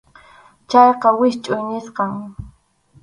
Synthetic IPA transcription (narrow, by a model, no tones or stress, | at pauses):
t͡ʃɑjqɑwɪʃt͡ʃʼʊjnɪsqɑŋ